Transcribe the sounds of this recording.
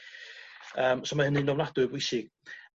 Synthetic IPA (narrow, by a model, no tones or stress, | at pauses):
əːmsɔmahənɨnɔmnadʊbwɪsɪɡ̥̚